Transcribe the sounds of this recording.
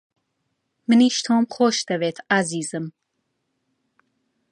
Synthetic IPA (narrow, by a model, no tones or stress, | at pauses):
mɨniʃt̪ʰɔːmχɔʃd̪avet̪ʰaziːzɨm